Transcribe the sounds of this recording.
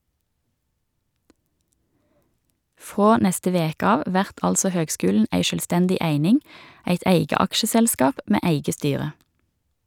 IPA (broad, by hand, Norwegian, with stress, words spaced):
ˈfʁoː ˈnɛstə ˈʋeːkə ˈɑːʋ ˈʋæʁt ˈɑlsɔ ˈhøːɡˌskʉːlɳ̩ ˈæɪ ʃœlˈstɛndɪ ˈæɪnɪŋ ˈæɪt ˈæɪɡə ˈɑkʃəsɛlˌskɑːp ˈmeː ˈʔæɪɡə ˈstyːʁə